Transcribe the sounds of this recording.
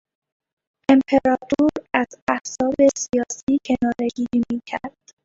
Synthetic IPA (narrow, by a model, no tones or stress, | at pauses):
ʔe̞mpʰe̞ɾɒːt̪ʰuɾæzæhz̥ɒːbe̞sijɒːsiːcʰe̞nɒːɾe̞ɡiːɾiːmiːcʰæɾd̪̥